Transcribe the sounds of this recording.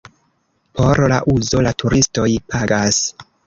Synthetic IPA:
pʰo̞ɾla̰ʔuzo̞latʰuɾisto̞jpʰaɡas

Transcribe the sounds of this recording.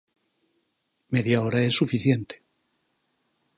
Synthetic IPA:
meðjaoɾae̞sːufiθje̞nt̪e̥

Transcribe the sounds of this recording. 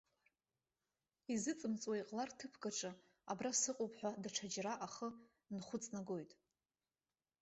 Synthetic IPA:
izɨt͡sʼɨmt͡sʼwejqʼlartʰɨpʰɡaʈ͡ʂʼɨ | a̰brasɨqʼopʰʼħʷᶣadaʈ͡ʂʰad͡ʒraʔaχə | nχʷʊt͡sʼnaɡo̞jtʼ

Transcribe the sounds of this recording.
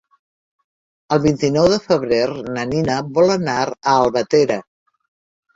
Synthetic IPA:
əlˠβint̪inɔwðəfəβɾernəninəβɔlənaɾəːlˠβət̪eɾə

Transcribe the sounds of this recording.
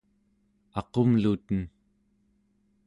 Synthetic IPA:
ɑqomlut̪ən

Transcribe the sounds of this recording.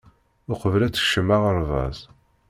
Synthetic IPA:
ʊqəvlæt͡sːə̥ʃəmːaʁəɾvɑ̰z

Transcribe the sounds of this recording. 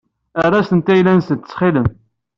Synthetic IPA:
ərˤːɑsənt̪æjlænsənt̪ːə̥t͡sːχiləm

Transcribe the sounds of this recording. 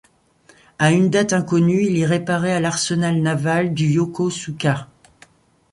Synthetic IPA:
aynd̪at̪ɛ̃kɔnyiliʁepaʁɛalaʁsənalnavald̪yjokosukʲa

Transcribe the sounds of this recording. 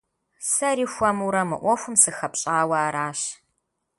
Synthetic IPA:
sɐɾiːxʷɐmuɾɐmɨ̰ʔʷɔfʷʊmsɨxɐpɕʼaːwaːɾaːɕ

